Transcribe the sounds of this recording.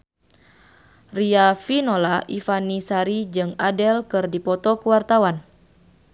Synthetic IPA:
riafinolaʔifanisaɾid͡ʒɨŋadɛlkɨrdipɔt̪ɔkuwart̪awan

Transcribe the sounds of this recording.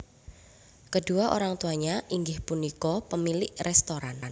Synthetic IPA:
kəduaʔo̰ɾaŋt̪uaɲaʔiŋɡɪhpunikɔpəmilɪʔrɛst̪oɾann

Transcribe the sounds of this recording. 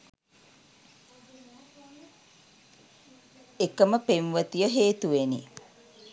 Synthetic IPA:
ekəməpemʋət̪ijəɦeːt̪uʋenḭ

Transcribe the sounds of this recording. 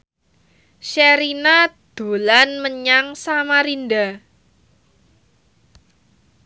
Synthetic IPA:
ʃɛɾinad̪̥o̤lanməɲaŋsamaɾinda

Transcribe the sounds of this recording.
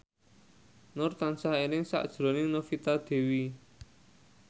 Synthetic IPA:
nʊrt̪ansaɦenɪŋsa̰ʔd̥ʒ̥ɾo̤nɪŋnofit̪ad̪̥e̤wi

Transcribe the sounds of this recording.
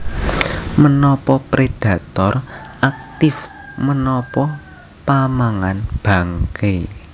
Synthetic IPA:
mənɔpɔpɾed̥a̤t̪ɔrʔak̚t̪ɪf | mənɔpɔ | pamaŋanb̥a̤ŋke

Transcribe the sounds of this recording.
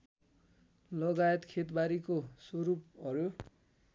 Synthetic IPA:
lʌɡajet̪kʰet̪baɾikoswʌɾupʌɾu

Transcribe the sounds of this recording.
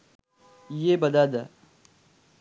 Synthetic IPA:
jebɐd̪aːd̪a

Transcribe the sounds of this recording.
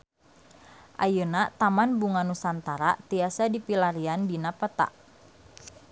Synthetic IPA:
ʔa̰junat̪amanbuŋanusant̪aɾat̪iasadipilaɾiandinapət̪a̰ʔ

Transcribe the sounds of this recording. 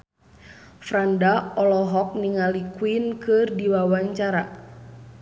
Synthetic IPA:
fɾandaɔlɔɦɔk̚niŋalikwinkɨrdiwawaɲt͡ʃaɾa

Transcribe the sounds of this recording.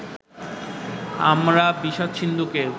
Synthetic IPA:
a̰mɾabiʃat̪ʃʰind̪uke

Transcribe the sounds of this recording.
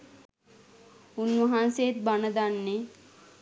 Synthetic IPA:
unːʋəɦansejet̪̚banəd̪anːe

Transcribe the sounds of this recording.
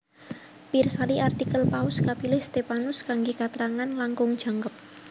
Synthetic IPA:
pirsaliʔart̪ikəlpaʊskapilɪhst̪epanʊskaŋɡekat̪əɾaŋanlaŋkʊŋd̥ʒ̥a̤ŋkəp̚

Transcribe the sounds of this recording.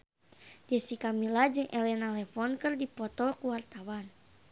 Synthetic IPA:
d͡ʒɛsikamilad͡ʒɨŋʔɛlɛnalɛfɔnkɨrdipɔt̪ɔkuwart̪awan

